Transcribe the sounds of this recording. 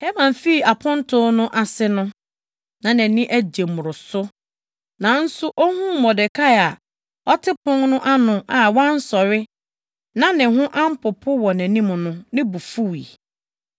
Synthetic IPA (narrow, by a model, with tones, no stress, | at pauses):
hɛ˦mã˨m˨fi˦˨a˨pʰʊ̃˦n˦tʰʊ̃˦nʊ̃˦ʔa˨sɪ˦nʊ̃˦ | nã˨næ̃˨nɪ̃˦ʔæ˦d͡ʑe˨mʊ̃˨ɾʊ˨sʊ˦ | nã˨n̩˦sʊ˦ʔɔ˦hũ˦˨mɔ˨dɪ˨kʰa˦˨a˨ | ɔ˦tʰɪ˦pʰʊ̃˦ŋnʊ̃˦ʔa˦nʊ̃˨a˨wã˦n̩˦sɔ˨ɾɪ˦ | nã˦nɪ̃˨hʊ̃˦ʔã˦m̩˦pʰʊ˨pʰʊ˦wɔ˨næ̃˨nĩ˦m˨nʊ̃˦nɪ̃˦bu˨fu˦˨i˨